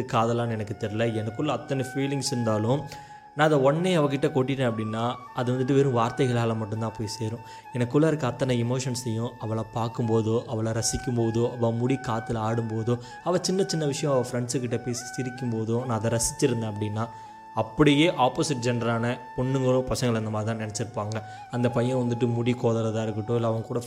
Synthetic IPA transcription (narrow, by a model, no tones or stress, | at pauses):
ɯkːaːðɐlaːnɛnɐkːɯt̪ɛɾɪlɐɛnɐkːɯɭːɐɐt̪ːɐnɐfiːlɪŋɡsɪɾɯnd̪aːlʊ̃ | nãːɪðd̪ɐɔɳːeːɐʋɐk̬ɪʈːɐkoːʈːɪɾːɛ̃ɐpːɐɽɪnːaː | ɐðɯʋɐnd̪ɯʈ̬ːɯʋeːɾʊ̃ʋaːɾt̪ɐɪɣɐɭaːlɐmɐʈːɯnt̪ãːpoːjiseːɾʊ̃ | ɛnɐkːɯɭːɐɪɾɯk̬ːɯɐt̪ːɐnɐɪmoːʂɐnsɛjːʊ̃ɐʋɐɭɐpaːɾkɯmpoːðʊʔɐʋɐɭɐɾɐsɪkʲːɯmpoːðɯʔɐʋɐmʊɽikaːt̪ːɪlaːɽɯmpoːðɯ | ɐʋɐt͡ʃɪnːɐt͡ʃɪnːɐʋɪʂɐjɔ̃ɐʋɐfɾɛɳɖsɯkːɪʈːɐpeːsi̥sɪɾɪkʲːɯmpoːðʊ̃nãːɐðɐɾɐsɪt͡ʃːɪɾɯnd̪ɐ̃ːɐpːɐɽɪnːaː | ɐpːɐɽɪjeːʔaːpoːsɪʈ̚d͡ʒɛnɖɐɾaːnɐpɔɳːɯŋɡɐɭʊ̃pɐsɐŋɡɐɭɐnd̪ɐmaːd̪ɾɪt̪ãːnɛnɛt͡ʃːɪɾɯpːaːŋɡɐ | ɐnd̪ɐpɐjɐ̃ʋɐnd̪ɯʈ̬ːɯmʊɽikoːðɐlɐðãːɪɾɯkːɯʈːõɪlːɐʋɐŋɡɐkuːɽɐ